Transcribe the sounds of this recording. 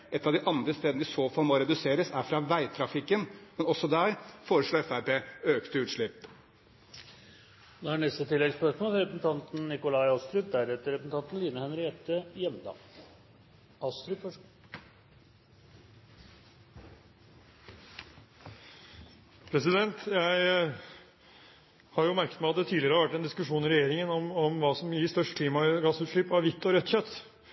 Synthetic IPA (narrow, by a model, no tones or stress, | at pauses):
ʔɛt̪ːɑʋd̪ɪʔɑnd̪ɾəst̪eːd̪nd̪ɪsoːfɑlmoɾɛd̪ʉseːɾəsæɾfɾɑʋæɪt̪ʰɾɑfɪkːənmɛnɔsːɔd̪æːɾfoːɾəʂɭoːɛfæɾpʰeːøːkt̪əʉːt̪ʂɭɪpː | noːhɑɳɛst̪ət̪ʰɪlːɛɡspœʂmolɾɛpɾəsn̩t̪ʰɑnt̪n̩nɪkʊlɑɪɑst̪ɾʉd̪æɾɛt̪ːəɾɛpəsn̩t̪ɑnt̪n̩liːnəhɛnɾɪɛt̪ːəjɛmd̪ɑ̰ː | ɑst̪ɾʉfɔʂ | pʰɾɛsɪd̪ɛnt̪jæɪ | hɑɾjʊmæɾkət̪mæɪɑt̪d̪ɛt̪ʰiːdlɪəɾəʋæʈːɛnd̪ɪskʉʂuːnɪɾɛjeːɾɪŋənɔmɔmʋɑːsɔmjɪst̪œʂʈkʰliːmɑɡɑsːʉːt̪ʂɭipɑʋʋɪt̪ːɔɾœt̪ːçœt̪ː